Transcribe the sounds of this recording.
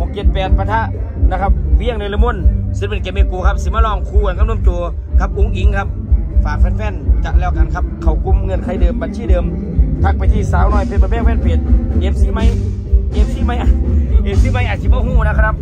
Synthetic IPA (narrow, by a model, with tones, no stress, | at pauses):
o˨˧˦kːe˧t̪̚pɛː˨˩t̪̚pa˧t̪ʰa˧˥ʔna˧kʰa˦˧p̚wi˧˥˩əŋna˧˨la˧mo˧˥˨nspe˧˨nke˧˩˨me˧˨kuː˨kʰa˦˥p̚siː˧˦maː˧˨lɔː˧˩˨ŋkʰuː˧˨a˨nka˧˥˨no˧˥˨mt͡ɕu˧˨ə | kʰa˧˥p̚ʔu˧˥˨ŋʔi˨˦ŋkʰa˦˥p̚faː˨˩k̚fɛː˧˥˩nfɛ˧˩˨nt͡ɕa˧˩ʔlɛː˧˩wka˨nkʰa˧˥p̚kʰa˨˩wku˧˥˨mŋɤ˧˨nkʰa˧˩jdɤː˨mba˨nsiː˧˥˨dɤː˨m | t̪ʰa˧˩k̚pa˨jt̪ʰiː˧˩˨saː˨˦wnɔː˧˩jpʰe˧˦t̚bɔː˧˦pɛ˧˥˨ŋ̚pɛː˧˥˨npʰe˨˩t̪̚ʔeː˧˩p̚siː˧˦ma˧˥˨j | ʔeː˧˥p̚siː˧˥˦ma˧˥jʔa˨ʔe˧˩p̚siː˧˥˦ma˧˨jʔaː˨˩si˧bɔː˧˨huː˧˩˨na˧kʰa˧nʰa˧p̚